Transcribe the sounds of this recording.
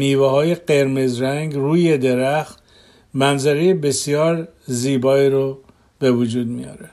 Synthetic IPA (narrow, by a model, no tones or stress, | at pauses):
niːvehɒːje̞ɢe̞ɾme̞zɾæŋɡruːje̞d̪eɾæxt̪ | mænzæɾejebe̞sjɒːɾziːbɒːiːɾo | be̞vud͡ʒuːd̪̚mijɒ̰ːɾe